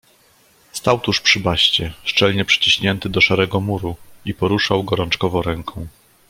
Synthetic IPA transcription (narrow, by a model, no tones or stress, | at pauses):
st̪awt̪uʂpʂɘbaɕt͡ɕɛʂt͡ʂɛlɲɛpʂɘ̥t͡ɕiɕɲɛnt̪ɘd̪ɔʂaɾɛɡɔmuɾuipɔɾuʂawɡɔɾɔnt͡ʂkɔvɔ̃w̃ɾɛŋkʰɔ̃w̃